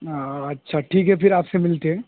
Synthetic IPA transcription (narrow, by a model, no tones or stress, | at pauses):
aɐtːʃʰaʈʰiːkɦɛfɪɾaːpsemɪlt̪eɦɛ̃ː